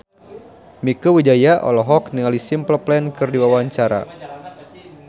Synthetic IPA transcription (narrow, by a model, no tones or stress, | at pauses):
mikuwid͡ʒajaʔɔ̰lɔɦɔk̚niŋalisimpləplɛnkɨrdiwawaɲt͡ʃaɾa̰